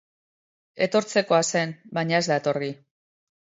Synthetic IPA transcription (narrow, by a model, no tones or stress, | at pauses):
e̞t̪o̞ɾt͡se̞ko̞ase̞nbaɲae̞zd̪aet̪o̞ɾɣi